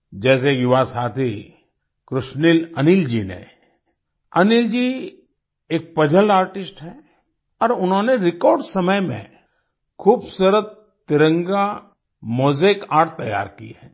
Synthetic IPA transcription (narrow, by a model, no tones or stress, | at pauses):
d͡ʒɛːs̬ejʊʋasaːt̪ʰi | kɾʊʃnilɐnɪld͡ʒinḛ | ɐnɪld͡ʒi | eːk̚pɐd͡ʒʱəlaːɾʈɪsʈɦɛ | ɔːɾʊnɦõːneɾɪkɔːɾɖsɐməjmḛ̃ | kʰuːbsəɾət̪ | t̪ːɪɾə̃ŋɡa | moːzeːkaːɾʈ̚t̪ːɐja̰ːɾkḭɦɛː